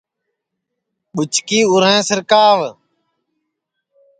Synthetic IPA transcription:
ɓʊt͡ʃkiːʊɾẽːsəɾkaːʋ

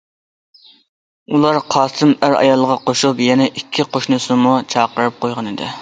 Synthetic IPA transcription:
ulˠɑɾqʰɑːsɨmæɾɑ̰jɑlˠːəʁɑqoʃupjɛnɛʔikʲʰːiqʰoʃnɨsɨmut͡ʃʰɑːqəɾɨp̚qojʁɑnɪd̪ɪ̰

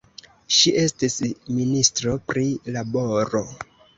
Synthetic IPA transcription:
ʃiʔe̞stisministɾo̞pɾilabo̞ɾo̞

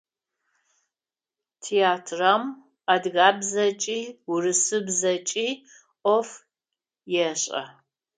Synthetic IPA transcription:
tʰeaːtʰram | adɣaːbzɐt͡ʃʼiːwʊrɨsɨbzɐt͡ʃʼiː | ɔf | jɛɕʼɐ̰

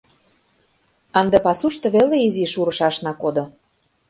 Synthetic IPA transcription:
ɑnd̪epɑsuʃt̪ɤ̆βeleiziʃuɾɤ̆ʃɑʃnɑkod̪ŏ

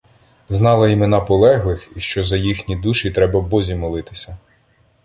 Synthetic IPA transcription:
znɑlˠɐimenɑpɔlˠɛɦlˠɪxiʃt͡ʃɔzɐjixnʲid̪uʃit̪ɾɛbɐbɔzʲimɔlˠɪt̪ɪ̥sʲɐ

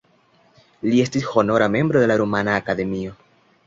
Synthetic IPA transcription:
lie̞stisho̞no̞ɾame̞mbɾo̞d̪e̞laɾumanaːkad̪e̞mio̞

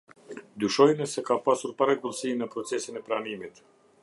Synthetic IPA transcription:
d̪yʃɔjnəsɛkapasuɾpaɾɛɡulˠsinəpɾɔt͡sɛsinɛpɾanimit̪

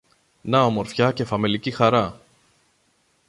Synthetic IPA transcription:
nɐomo̞ɾfçɐce̞fɐme̞licixɐɾɐ

